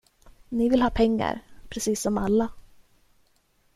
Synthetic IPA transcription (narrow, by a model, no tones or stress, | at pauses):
nɪvɪlhɑːpʰɛŋːa̰ɾpʰɾɛsiːsːɔma̰lːa